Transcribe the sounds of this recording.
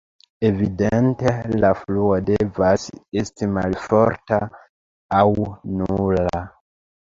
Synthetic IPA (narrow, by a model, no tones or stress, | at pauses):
e̞vidente̞lafluodevase̞stimalfo̞ɾta̰ | awnula